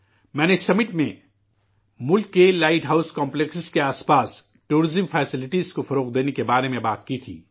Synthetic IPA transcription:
mɛ̃ːnesɐmɪʈmẽ | mʊlkːelaːɪʈɦaːʊskɔ̃ːmpleksskeaːspaːs | ʈuːɾɪzəmfʰɛːsɪlɪʈizkofɐɾoːq̚d̪eːnekebaːɾemẽbaːt̪kit̪ʰḭː

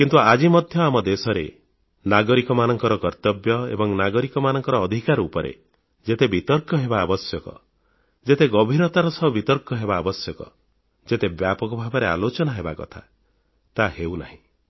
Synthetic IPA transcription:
kint̪uad͡ʒimɔd̪ʱjɔamɔd̪esɔɾḛ | naɡɔɾikɔmanɔŋkɔɾɔkɔɾt̪ɔbjɔḛbɔŋnaɡɔɾikɔmanɔŋkɔɾɔːd̪ʱikaɾupɔɾḛ | d͡ʒet̪ebit̪ɔɾkjɔɦebaːbɔsjɔkɔ̰ | d͡ʒet̪eɡɔbʱiɾɔt̪aɾɔsɔbit̪ɔɾkjɔɦebaːbɔsjɔkɔ̰ | d͡ʒet̪ebjapɔkɔbʱabɔɾea̰lot͡ʃɔnaɦebakɔ̰t̪ʰa | t̪aɦewna̰ɦĩ

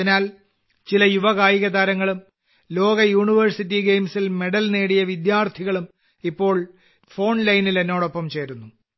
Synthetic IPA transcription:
inaːl | t͡ɕilɐjuʋɐɣaːjiɣɐd̪aːɾɐŋːɐɭum | lo̞ːɡɐjuːɳiʋɐrsit̬ːiɡejmsilme̞ɽɐlneːɽijɐʋid̪jaːrt̪ʰiɣɐɭum | ipːo̞ːɭ | fo̞ːɳlɐjnile̞nːo̞ːɽopːɐmt͡ɕe̞ːɾunːu

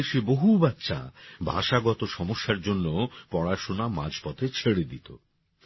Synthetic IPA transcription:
eʃeboɦubatːʃʰa̰bʱa̰ʃaɡɔt̪oʃɔmoʃːaɾd͡ʑonːopɔɽaʃonama̰d͡ʑpɔt̪ʰet͡ɕʰeɽed̪it̪o̰

